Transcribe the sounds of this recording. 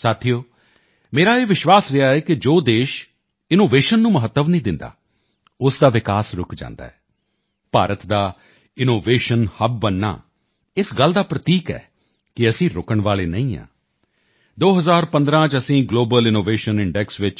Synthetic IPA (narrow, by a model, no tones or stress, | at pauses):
saːt̪ʰioː | meːɾaːeːʋɪʃʋaːsɾɪaːɛːkɪd͡ʒoːd̪eːʃ | ɪnoːʋeːʃənːũːməɦət̪ːəʋnĩːd̪ɪnd̪a̰ː | ʊsd̪aːʋɪkaːsɾʊkʰd͡ʒã̰ːnd̪a̰ːɛː | pa̰ːɾət̪d̪aː | ɪnoːʋeːʃənhəb̚bənːa̰ː | ɪsɡəld̪aːpɾət̪iːkɛ̰ː | kɪəsĩːɾʊkəɳʋaːleːnə̰̃ĩːã̰ː | d̪oːɦəzaːɾpə̃nd̪ɾãːt͡ʃəsĩːɡloːbəlɪnoːʋeːʃənɪɳɖɛksʋɪt͡ʃ